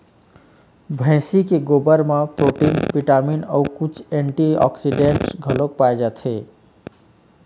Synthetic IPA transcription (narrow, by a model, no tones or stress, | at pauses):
bʱə̃ɪsikeɡobəɾmepɾoʈinpiʈaminəwkut͡ʃʰeɳʈiɔ̰ksiɖeɳʈsɡʱəlok̚pajd͡ʒat̪ʰe